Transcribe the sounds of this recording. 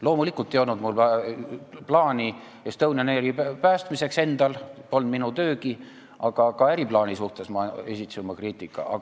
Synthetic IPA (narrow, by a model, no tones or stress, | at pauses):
lo̞ːmulikːˑult̪ejolnud̪mulɑ | plɑːnʲi | jest̪ɤwnɑneɾipæːst̪mise̞kse̞nd̪̥ɑlpo̞lnd̪minut̪ø̞ːɡi | ɑɡ̥ɑkɑæɾiplɑːnʲisuht̪e̞smɑesʲit̪sumːɑkriːt̪ˑikːˑɑ̰ʔɑ̰